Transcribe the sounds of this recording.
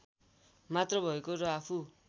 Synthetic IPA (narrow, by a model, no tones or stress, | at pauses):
mat̪rʌbʱʌekoɾʌapʰu